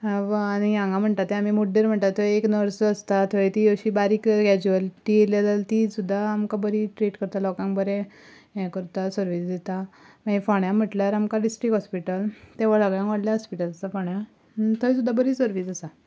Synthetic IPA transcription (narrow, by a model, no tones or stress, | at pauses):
anijãŋɡam̤əɳt̪at̪ːɛamiːmuɖːeɾm̤əɳt̪at̪əeknəɾsəst̪at̪ʰoet̪iəɕiːbaɾiːkəɾkɛd͡ʑuʋəlʈielad̪əlt̪isud̪ʱːaːmkabəɾiʈɾiːʈkəɾt̪alɔkãŋbəɾɛ̃ | ɛ̃kəɾt̪asəɾʋiːsd̪et̪a | maifɔɳjam̤əʈljaɾamkaɖisʈɾikɦɔspiʈəlt̪eʋ̤aɭaɡɭjãŋkʋaɽljaɦɔspiʈəlasafɔɳja | t̪ʰəjsud̪ʱːabəɾiːsəɾʋiːsəsa